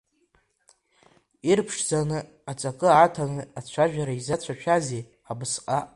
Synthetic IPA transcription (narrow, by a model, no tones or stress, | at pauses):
irpʰʂd͡zanɨ | at͡sʼakʼɨaːtʰanɨat͡ɕʷʰaʒᶣaɾaizat͡ɕʷʰaʃᶣaze | abɨsqʼa